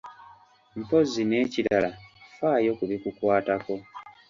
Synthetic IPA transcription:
mpo̞zine̞ːcilalafaːjo̞kuβikukwaːtako̞

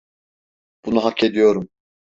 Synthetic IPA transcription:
b̥unuɦakʰːe̞d̪ijo̞ɾum

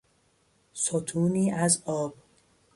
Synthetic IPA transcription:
sot̪ʰuːniːʔæzɒːb̥

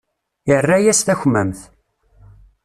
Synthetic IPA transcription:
jərːæjæst̪æçmːəmθ

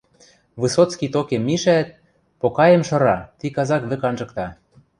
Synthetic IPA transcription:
βɨsot̪t͡skit̪okemːiʃæt̪̚ | pokɑjə̆mʃɤ̆ɾɑt̪ikɑzɑkβɘ̆kɑnʒɤ̆kt̪ɑ

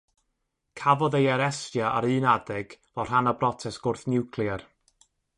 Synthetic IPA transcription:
kʰavɔðejaɾɛstjaʔa̰ɾɨːnadɛɡ̥vɔr̥hanabrɔtʰɛsɡ̥ʊrθnɪwkʰlˠiɛr

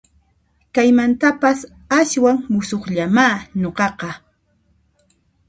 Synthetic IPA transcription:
kajmant̪apas | aswaŋmʊsoχʎamaːnoqɑqɑ

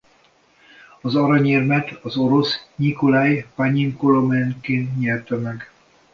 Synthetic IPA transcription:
ɒzɒɾɒɲɛrmɛt̪ɒzo̞ɾo̞sɲikolajpaɲiŋkolomɛnkeːnt̪ɲɛlt̪ømɛɡ

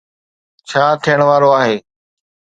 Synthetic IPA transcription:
t͡ɕʰaːt̪ʰijəɽ̃ʋaːɾoaːɦeː

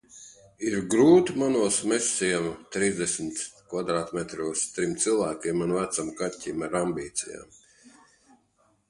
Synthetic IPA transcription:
iɾɡɾuːt̪manuɔsmɛsːiɛmt̪ɾiːzd̪esmt̪kvad̪ɾaːt̪mɛt̪ɾuːst̪ɾimt̪sɨlˠvæːkʲimanvæt̪samkatʲːimaɾambiːt̪sija̰ːm

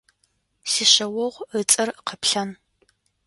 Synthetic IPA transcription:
siːɕɐwɔʁʷət͡sʼɐrqəpɬɐn

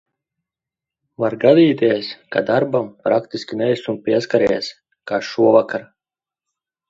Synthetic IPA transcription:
vaɾɡad̪iːt̪ʲiɛskad̪aɾbampɾakt̪isʲkʲinɛjsunpʲiɛskaɾɛs | kaːʃuɔvakaɾ

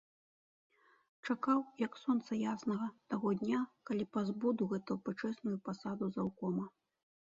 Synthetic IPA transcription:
t͡ʂakawjɐksɔnt̪sɐjasnɐɣɐt̪aɣɔd̪ʲnʲakalʲipazbɔd̪uɣɛt̪ujupɨt͡ʂɛsnujupasad̪uzawkɔmɐ

